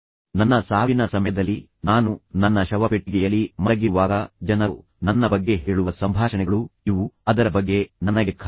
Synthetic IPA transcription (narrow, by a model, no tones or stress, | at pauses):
nɐnːɐsaːʋinɐsɐmjɐd̪ɐlːi | naːnunɐnːɐʃɐʋɐpeʈːiɡɛjɐlːimɐɾɐɡiʋaːɡɐd͡ʒɐnɐ | nɐnːɐbɐɡːe̞ɦeːɭuʋɐsɐmbʱaːʂɐnɛɡɐɭuiʋuɐd̪ɐɾɐbɐɡːe̞nɐnɐɡekʰa